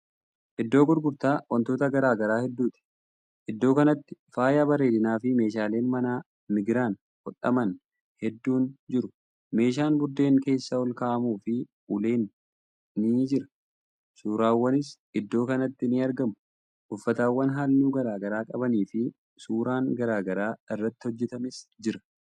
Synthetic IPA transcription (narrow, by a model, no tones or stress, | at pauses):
ʔɪd̪ːo̞ːɡʊɾɡʊɾt̪aːwɐnt̪o̞ːt̪ɐɡɐɾaːɡɐɾaːhɛd̪ːuːt̪ɪ̥ | ʔɪd̪ːo̞ːkɐnɐt̪ːɪfaːjaːbɐɾe̞ːd̪ɪnaːfɪme̞ːʃaːle̞ːnmɐnaː | mɪɡɾaːn | kɔᶑʼɐ̰mɐn | hɛd̪ːuːnd͡ʒɪɾʊ | me̞ːʃ̬aːnbʊɾd̪e̞ːŋke̞ːsːɐwɔlkaːʔɐmuːfɪʔʊle̞ːnː | ɪd͡ʒɪɾɐ̥ | suːɾaːwːɐnɪs | ɪd̪ːo̞ːkɐnɐt̪ːɪnɪɐɾɡɐmʊ | ʔʊfːɐt̪aːwːɐnɦaːlːuːɡɐɾaːɡɐɾaːkʼɐbɐniːfɪ | suːɾaːŋɡɐɾaːɡɐɾaːɪrːɐt̪ːɪ̥hɔd͡ʒːɛt̪ɐmɪsd͡ʒɪɾɐ̥